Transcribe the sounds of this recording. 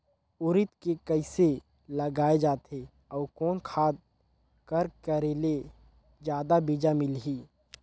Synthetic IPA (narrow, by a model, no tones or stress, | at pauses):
ʊɾɪt̪kekəɪse | ləɡaːed͡ʒaːt̪ɦe | ɔːɾkɔːnkʰaːd̪̚ | kəɾkəɾeːle | d͡ʒjaːd̪abid͡ʒamɪlɦiː